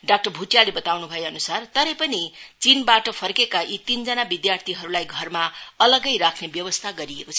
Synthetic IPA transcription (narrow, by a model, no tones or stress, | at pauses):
ɖak̚ʈʌrbʱuʈjalebʌt̪awnubʱʌjeʌnusart̪ʌɾʌpʌnit͡sinbaʈʌpʰʌrkekaʔit̪ind͡zʌnabid̪jart̪ʰiɦʌɾulajɡʱʌrmaʌlʌɡʌjɾakʰnebjʌbʌst̪ʰaɡʌɾiekot͡sʰʌ